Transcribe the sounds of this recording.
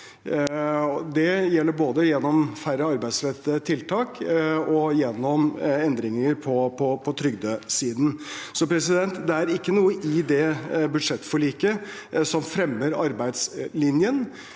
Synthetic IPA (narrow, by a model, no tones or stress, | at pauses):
ɔd̪ɛjɛlːəɾboːd̪əjɛnːɔmfæɾəɑɾbæɪsɾɛt̪ːət̪ʰɪlt̪ʰɑːkɔjɛnːɔmɛnd̪ɾɪŋəɾpʰɔpʰɔpʰɔt̪ʰɾʏɡd̪əsiːd̪n̩sɔpʰɾɛsɪd̪ɛnt̪d̪ɛæɾɪkːənuːəʔɪd̪ɛbʉd̪ʂɛt̪ːfɔɭiːkə | sɔmfɾɛmːəɾɑ̰ɾbæɪd̪slɪnjən